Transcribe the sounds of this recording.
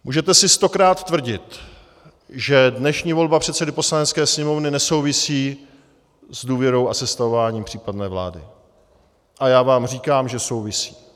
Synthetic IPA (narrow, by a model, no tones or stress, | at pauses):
muːʒɛt̪ɛsɪst̪o̞kɾaːt̪ːvr̩ɟɪt̪ | ʒɛdnɛʃɲiːvo̞lbapr̥ɛt̪sɛdɪpo̞slanɛt̪t͡skɛːsɲɛmo̞vnɪnɛso̞wvɪsiː | zduːvjɛɾo̞wʔasɛst̪avovaːɲiːmpr̥iːpadnɛːvla̰ːdɪ̰ | ʔajaːvaːmriːkaːmʒɛso̞wvɪsi̥ː